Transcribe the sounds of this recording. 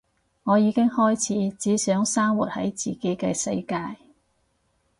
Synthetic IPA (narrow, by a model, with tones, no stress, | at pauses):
ŋɔː˨˧jiː˨˧kɪ˥ŋhɔː˥jt͡sʰiː˨˥t͡siː˨˥sœː˨˥ŋsaː˥ŋwuː˨t̚hɐ̰˨˥jt͡siː˨˩ke˨˥jkɛː˧sɐ̰˧jkaː˧j